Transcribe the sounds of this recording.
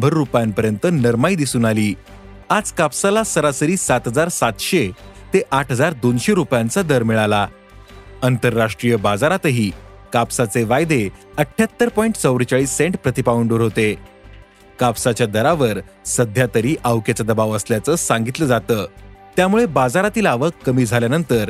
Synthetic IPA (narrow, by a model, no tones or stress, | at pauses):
bʱəɾːupjampəɾjənt̪ənəɾmaid̪isuːnaliː | ad͡zkapsalasəɾasəɾiːsat̪ɦəd͡zaɾsat̪ɕet̪eʔaʈʰɦəd͡zaɾd̪onɕeɾupjant͡sad̪əɾmiɭala | ənt̪əɾːaʂʈɾijəbad͡zaɾat̪əɦiː | kapsat͡seʋajd̪eəʈʰːjat̪ːəɾpɔiɳʈt͡səwɾt͡ɕaɭiːsːeɳʈpɾət̪ipaʋəɳɖoɾɦot̪e | kapsat͡ɕjad̪əɾaʋəɾ | səd̪ʱjat̪əɾiːʔawket͡sad̪əbaʋəsljat͡səsãŋɡit̪ləd͡zat̪əːt̪jamuɭebad͡zaɾat̪iːlaʋəkːəmiːd͡zʱaljanənt̪əɾ